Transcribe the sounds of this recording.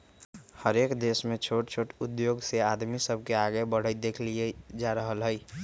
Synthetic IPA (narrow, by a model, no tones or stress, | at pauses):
həɾekd̪esmẽt͡ʃʰoʈt͡ʃʰoʈʊd̪joɡsead̪misəb̚ʱkeaɡebəɽ̤əɪd̪ekʰlied͡ʒaɾəɦəlɦəɪ